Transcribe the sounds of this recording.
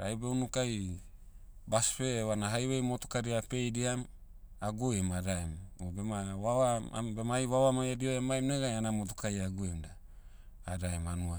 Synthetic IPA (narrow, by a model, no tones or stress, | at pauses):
ɾajbewnukaj | baspewanaɦajwejmotu̥kaɾiape̞jdiam | aɡuemadaemobemawawaabemajwawamajadioemajmneɡajanamot̬ukajaɡuemdaː | daemanua